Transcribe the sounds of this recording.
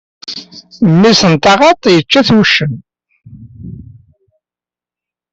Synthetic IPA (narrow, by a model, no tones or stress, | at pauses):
mːisənt̪ɑʁɑt̪ˤjət͡ʃːæθwʃːən